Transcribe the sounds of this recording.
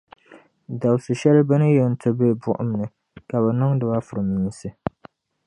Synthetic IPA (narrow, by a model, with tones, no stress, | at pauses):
da˨bsɨ˨ʃɛ˦lbɨ˦nɨ˦jɛ˨n̩˨˦tʰɨ˦be˦˨bʊ˦ʔʊ̰˦m˨nɨ˨ | ka˨βɛ˨nɨ˦ŋdɨ˨ba˦fʊ˨ɾɨ˨mːiː˨˦sɨ˦